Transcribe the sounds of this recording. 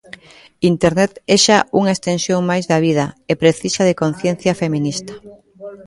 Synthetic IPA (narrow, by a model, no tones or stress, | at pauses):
int̪eɾnɛt̪ɛʃauŋaest̪ẽnsjoŋmajzðɐβið̞ɐepɾeθisɐð̞ekon̟θjen̟θjɐfemĩnist̪ɐ̥